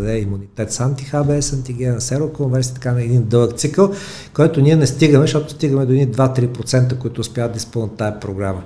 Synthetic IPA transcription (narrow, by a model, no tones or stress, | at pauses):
d̪ɛimunit̪ɛt̪sant̪ixabɛɛsɐnt̪iɡʲɛnsɛɾokonvɛɾsi̥t̪ɐ̥kanɐɛd̪ind̪ɤlˠəkt̪sikəlˠ | kɔjt̪ʊniɛnɛst̪iɡəmɛʃt̪ɔt̪ʊ̥st̪iɡəmɛd̪onid̪vat̪ɾipɾot̪sɛnt̪əkoit̪ʊːspʲjad̪ɐispɤlˠnət̪ːajɐpɾoɡɾamə